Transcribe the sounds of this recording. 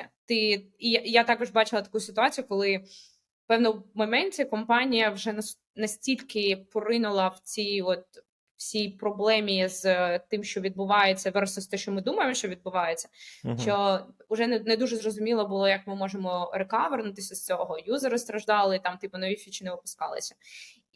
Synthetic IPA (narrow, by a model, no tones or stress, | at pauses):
t̪ɪijjat̪ɑkɔʒbɑt͡ʃɪlˠɐt̪ɐ̥kujʊsɪt̪ʊɑt͡sʲijʊkɔlˠɪ | pɛwnɔmɔmɛnʲtʲɛkɔmpɑnʲijɐwʒɛnɐ | nɐsʲtʲilʲkɪpɔɾɪnʊlˠɐwt͡sʲijɔt̪̚ | wsʲijpɾɔblˠɛmʲizt̪ɪmʃt͡ʃɔʋʲid̪̚bʊʋɑjet͡sʲːɐʋɛrsɔsʲt̪ɛʃt͡ʃɔmɪd̪umɐjemɔʃt͡ʃɔʋʲid̪̚bʊʋɑjet͡sʲːɐ̥t͡ʃɔ | ʊʒɛnnɛd̪uʒɛzrɔzʊmʲilˠɔbʊlˠɔjɐkmɪmɔʒemɔɾekɑʋernʊt̪ɪsʲɐst͡sʲɔɦɔjuzɛɾɔst̪ɾɐʒd̪ɑlˠɪit̪ɑmt̪ɪpʊnɔʋʲifʲit͡ʃɪnɛʋɪpʊ̥skɑlˠɪ̰sʲɐ̥